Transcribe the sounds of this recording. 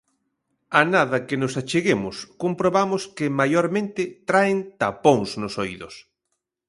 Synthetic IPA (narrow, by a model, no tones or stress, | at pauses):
anaðɐkɪnʊsat͡ʃeɣemʊskompɾoβamʊskɪmajoɾmẽnt̪ɪt̪ɾaent̪apoŋsnʊsojðʊs